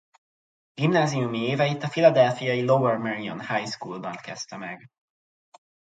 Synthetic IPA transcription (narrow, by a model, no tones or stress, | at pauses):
ɡ̥imnaːzijumieːvɛjit̪ɒfilɒd̪ɛlfijɒjilowɛrmɛɾiɔ̰nhajskuːlbɒnkɛst̪ɛmɛɡ